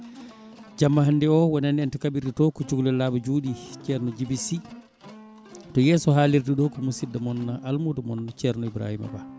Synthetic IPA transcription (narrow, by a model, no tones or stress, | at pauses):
d͡ʒamːaɦandɛɔwɔnandɛntɛkaɓiɾditɔkɔt͡ʃuɡlɛlaːbɔd͡ʒuːɗit͡ʃɛɾnɔd͡ʒibisi | tɔjɛːsɔɦaːliɾdiɗɔkɔmusidamɔnːaʔalmudumɔnːat͡ʃɛɾnɔibɾa̰hima̰ba